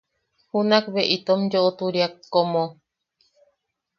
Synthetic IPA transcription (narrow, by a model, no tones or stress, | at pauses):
hunakβeʔit̪omd͡ʒoʔot̪uɾiakːomõ